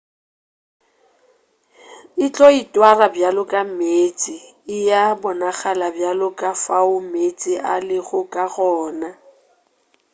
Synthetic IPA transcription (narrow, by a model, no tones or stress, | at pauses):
ɪt͡ɬʼɔitʼwarabjalʊkʼameːt͡sʼɪ | ɪjabʊnaɣalabjalʊkʼafaʊmet͡sʼɪʔalɪɣʊkʼaɣɔːna